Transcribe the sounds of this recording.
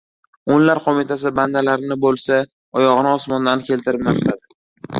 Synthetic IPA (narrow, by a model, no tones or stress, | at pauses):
onlaɾqʰɒmɪt̪ʰas̬ɪband̪alaɾɪnɪbolˠsa | ɒjɒʁɨnɪɒsmɒnd̪ankʲʰe̞lt̪ʰɪɾɪmaqlad̪ɪ